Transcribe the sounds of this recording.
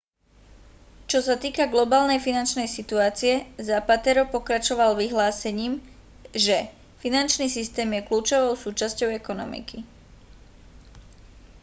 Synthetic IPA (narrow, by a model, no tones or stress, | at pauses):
t͡ʃɔsat̪iːkaɡlɔbaːlnɛjfinant͡ʃnɛjsit̪uaːt͡siɛzapat̪ɛɾɔpɔkɾat͡ʃɔʋalʋiɦlaːsɛɲiːm | ʒɛ | finant͡ʃniːsist̪ɛːmjɛkluːt͡ʃɔʋɔʊsuːt͡ʃascɔʊɛkɔnɔmḭki